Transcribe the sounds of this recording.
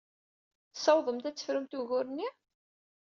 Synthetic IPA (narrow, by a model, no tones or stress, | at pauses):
θsɑwðˤəmt̪æt͡sːə̥fɾəmt̪uɣʊɾnːi